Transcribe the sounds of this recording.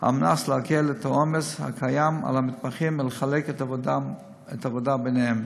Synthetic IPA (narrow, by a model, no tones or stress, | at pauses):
ha̰mna̰sleakelet̪ʰaomesha̰kʰajama̰lhamit̪̚paχimleχalekt | et̪avodabenehem